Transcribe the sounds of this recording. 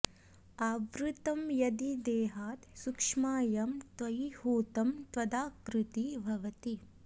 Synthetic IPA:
aːʋɾut̪ɐmjɐd̪id̪eːɦaːt̪sukʂmaːjɐmt̪ʋɐjhuːt̪ɐmt̪ʋɐd̪aːkɾut̪ibʱɐʋɐt̪i

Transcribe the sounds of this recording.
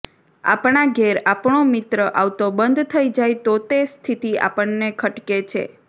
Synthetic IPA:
a̰pɳaɡeɾapɳomɪt̪ɾəʔaʋt̪obənd̪ʱt̪ʰəid͡ʒajt̪ot̪est̪ʰit̪ia̰pəɳːekʰəʈket͡ʃʰḛ

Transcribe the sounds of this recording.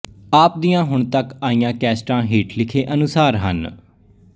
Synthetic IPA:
aːp̚d̪ijãːɦʊɳ̃t̪əkaːiːjãːkɛːsʈãːɦiːʈlɪkʰeːʔənʊsaːɾɦə̰n

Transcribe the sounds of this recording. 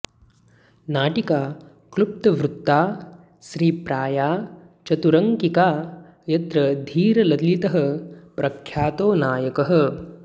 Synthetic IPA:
naːʈikaː | klup̚t̪ɐʋɾut̪ːaː | ʃɾiːpɾaːjaː | t͡ʃɐt̪uɾɐŋkikaː | jɐt̪ɾɐd̪ʱiːɾɐlɐd̪lit̪ɐɦɐ̆pɾɐkʰjaːt̪oːnaːjɐkɐɦɐ̆

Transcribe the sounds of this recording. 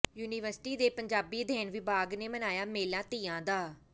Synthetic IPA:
juːniːʋəɾsɪ̥ʈiːd̪eːpəɲd͡ʒaːbiːd̪ʱɛːnʋɪbaːɡneːmənaːjaːmeːlãːt̪iːãːd̪aː

